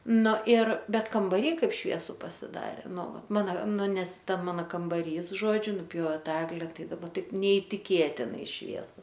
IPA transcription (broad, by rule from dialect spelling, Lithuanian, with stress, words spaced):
nʊ ɪr ˈbʲɛt kɐmbɐˈrʲiː ˈkɐɪp ˈʃʲʋʲiɛsʊ pɐsʲɪˈdɑːrʲeː ˈnʊ ˈʋɐt ˈmɑːnɐ ˈnʊ ˈnʲɛs ˈtɐ ˈmɑːnɐ kɐmbɐˈrʲiːs ˈʒoːd͡ʒʲʊ nʊˈpʲjoːʋʲɛ ˈtɐ ˈæːɡlʲɛ ˈtɐɪ dɐˈbɐ ˈtɐɪp nʲɛɪtʲɪˈkʲeːtʲɪnɐɪ ˈʃʲʋʲiɛsʊ